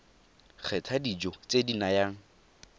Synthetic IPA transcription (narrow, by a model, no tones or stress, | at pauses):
k͡xʰɛtʰadid͡ʒɔt͡sʼedinajaːŋ̩